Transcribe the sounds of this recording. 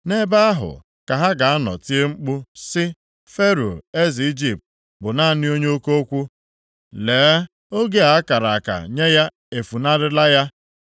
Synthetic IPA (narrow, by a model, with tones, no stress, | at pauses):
ne˦ba˦a˦ɦʊ̰˨ | ka˨ɦa˦ɡa˨a˦nɔ̰˨ti˦e˦ŋ͡m̩˦k͡pʊ˦sɪ˦ | fe˦ɾo˨e˦zi˨i˦d͡ʒi˦˨p̚t̚ | bʊ˨na˦a˨nɪ˦o˦ɲe˦o˦ko˦o˦kʷu˦ | leː˨˦ | o˦ɡe˦a˨a˦ka˨ɾa˨a˨ka̰˨ɲe˦ja˦ | e˨fu˨na˦ɾɪ˦la˦ja˦